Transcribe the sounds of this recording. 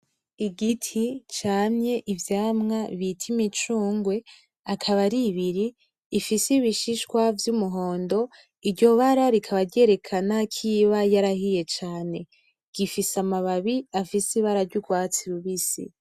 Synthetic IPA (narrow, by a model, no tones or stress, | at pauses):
iɡitʰit͡ʃaːɲɲe̞ʔivjaːmŋaβitʰimit͡ʃuːŋɡwe̞ | akʰaβaɾiβiɾiː | fisiβiʃiʃkwavjumuɦo̞ːndo̞ | iɾɟo̞βaɾaɾikʰaβaɾɟe̞ɾe̞kʰanakʰiβajaɾahije̞t͡ʃaːne̞ | ɡ̥ifisamaβaβiafisiβaɾaɾɟuɡwaːt͡siɾuβisḭ